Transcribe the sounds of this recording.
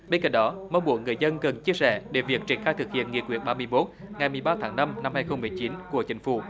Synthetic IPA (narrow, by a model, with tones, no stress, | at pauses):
ɓe˧nka̰˧˨˩nɗɔ˨˦mə˧wɓu˧˩əŋːɨ˨˩əjzə˧nɣə˨˩nt͡ɕi˧əsɛ̰˧˩ɗe˧˩vi˨˩ək̚t͡ɕḭ˧˩ənxaː˧jt̪ʰɨ˨˩k̚hḭ˧˨ənŋi˧˩əkwi˧˩əɓaː˧mɨ˧əjmo˦˥t̚ŋa˨˩jmɨ˨˩əjɓaː˧t̪ʰaː˨˦ŋna˧mna˧mhaː˧jxə˧wŋ͡mmɨ˨˩əjt͡ɕi˨˦nku˧˩ət͡ɕï˨˦ŋ̟fṵ˧˩